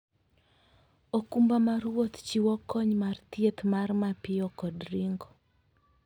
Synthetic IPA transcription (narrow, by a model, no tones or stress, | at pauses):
okumbamaɾwot̪t͡ʃiwɔkɔɲmart̪jet̪marmapɪɔkɔdɾiŋɡɔ